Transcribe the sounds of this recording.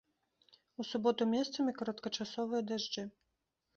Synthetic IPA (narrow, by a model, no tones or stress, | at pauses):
usubɔt̪umʲɛst̪sɐmʲikɔɾɐt̪kɐt͡ʂasɔvɨjɐd̪aʐd͡ʒɨ